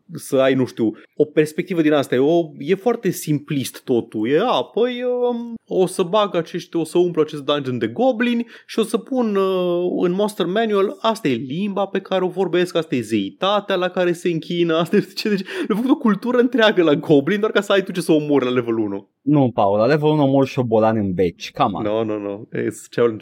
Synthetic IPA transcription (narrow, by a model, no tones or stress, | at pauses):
səajnuʃt̪iuo̞pe̞rspek̚t̪ivəd̪inast̪ajeo̞je̞foart̪e̞simplist̪t̪o̞t̪ujeapəjəo̞səbaɡat͡ʃe̞ʃt̪ʲo̞səumpleoat͡ʃe̞st̪̚d̪and͡ʒend̪e̞ɡo̞blinʲʃio̞səpunəɨ̰nmost̪ərmanjuelast̪aje̞limbape̞kaɾe̞o̞vo̞rbe̞skast̪aje̞ze̞it̪at̪ealakaɾe̞se̞ɨŋkʲinəast̪ajee̥t͡ʃed̪et͡ʃed̪efəkut̪okult̪uɾəɨnt̪ɾeaɡəlaɡo̞blind̪oarkasəajt̪ut͡ʃe̞səomurʲlalevəluno | nupaolalevəlunomurʃiobolanɨnbet͡ʃkama̰nonono̰ḛst͡ʃaln